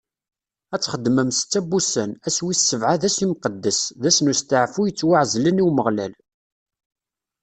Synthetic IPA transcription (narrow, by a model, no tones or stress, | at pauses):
æt͡sːχəd̪ːməmst͡sːæbusənæswisːəvʕaðæsimqəd̪ːəsðæsnust̪əʕfujət͡sːwaʕzləniwməʁlæ̰l